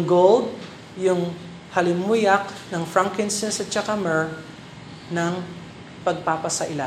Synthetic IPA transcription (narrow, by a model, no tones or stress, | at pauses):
ɡold̪̚ | jʊŋ | hɐlɪmujɐk̚nɐŋfɹaŋkɛnsɛnsɐt͡ʃakamɛɹ | nɐŋ | pɐɡ̚papɐsɐʔɪla